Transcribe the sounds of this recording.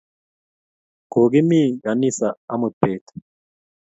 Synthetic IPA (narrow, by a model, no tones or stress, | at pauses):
ɡ̥oːɡɪmːiːɡɐnːisɐɐmʊpːeːt̪